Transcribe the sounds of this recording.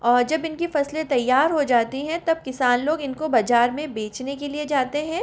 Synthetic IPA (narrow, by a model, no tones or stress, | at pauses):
ɔːɾd͡ʒɐbɪnkifɐslẽt̪ɐjːaːɾɦod͡ʒaːt̪iɦɛ̃t̪ɐb̚kɪsaːnloːɡɪnkobɐd͡ʒaːɾmẽbeːt͡ʃnekelied͡ʒaːt̪eɦɛ̃ː